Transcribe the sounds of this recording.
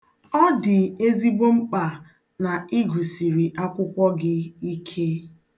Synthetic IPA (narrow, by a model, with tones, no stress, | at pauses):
ɔ˦dɪ˨e˦zi˦bo˦ŋ͡m̩˦k͡pa˨ | na˨i˦ɡu˨si˨ɾi˨ʔa˦kʷʊ˦kʷɔ˦ɡɪ˦i˦kʰe˦